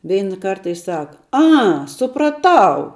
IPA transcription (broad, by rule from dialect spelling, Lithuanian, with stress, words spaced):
ˈʋʲɛɪnɐ ˈkɐrtɐ ɪ ˈsɑːkɐ ˈɐ sʊprɐˈtɐʊ